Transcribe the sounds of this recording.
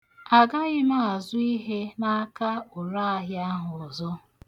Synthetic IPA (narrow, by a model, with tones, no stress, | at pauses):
a˨ɡa˦ɣɪ˦ma˦a˨zʊ˦i˦ɦe˦na˦ka˦ʊ˨ɾa˦a˨ɦja˦ɦʊ˨zɔ˦